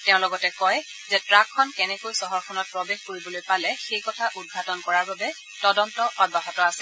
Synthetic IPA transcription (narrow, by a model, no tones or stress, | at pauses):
tɛʊ̃lɔɡɔtɛkɔj | zɛtɹakʰːɔnkɛnɛkojsɔɦɔɹkʰɔnɔt̚pɹɔbexkoɹibɔlojpalɛxejkɔtʰaʔud̚ɡʱatɔnkɔɹaɹbabɛ | tɔdɔntɔʔɔd̚baɦɔtɔasɛ